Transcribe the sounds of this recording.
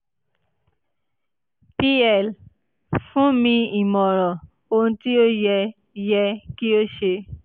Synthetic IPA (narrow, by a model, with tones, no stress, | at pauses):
pi˦ɛ˨l | fũ˦mĩ˧i˨mɔ̃˨ɾɔ̃˨ | o˧ũ˧˦ti˦o˦jɛ˧ | jɛ˧ki˦o˦ʃe˧